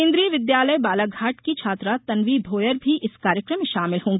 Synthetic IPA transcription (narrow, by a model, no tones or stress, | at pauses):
ẽːnd̪ɾiːəʋɪd̪jaːləjbaːlaɡʱaːʈkit͡ʃʰaːt̪ɾat̪ɐnʋid̪ʱoːjəɾbʱiʔɪskaːɾjəkɾəmːẽʃaːmɪlɦõːŋɡː